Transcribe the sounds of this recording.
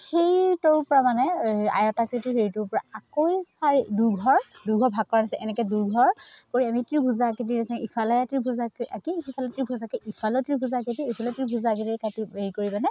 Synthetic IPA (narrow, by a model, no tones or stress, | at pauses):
xejtɔɹpɔɹamanɛa̰jɔtakɹituɦeɹitʊɹpɔɹaakojsaɹiduɡʱɔɹduɡʱɔɹbʱaɡ̚kɔɹanasɛʔɛnɛkɛduɹɡʱɔɹkoɹiamitɹibʱuzaket̬iɹasɛ̃ipʰalɔjatɹibʱuzakakixifʰalɔjtɹibʱuzakɛʔipʰalɔtɹibʱuzaketiipʰalɔtɹibʱuzak̬itiɹkatieɹikoɹibanɛ